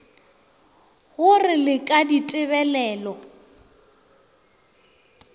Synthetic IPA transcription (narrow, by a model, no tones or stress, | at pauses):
ɣʊrɪlɪkʼaditʼɪβɛlɛːlɔ